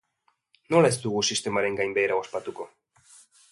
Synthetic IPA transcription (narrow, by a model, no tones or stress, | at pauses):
no̞lae̞zd̪uɣusist̪e̞maɾe̞ŋɡajmbe̞jɾaospat̪uko̞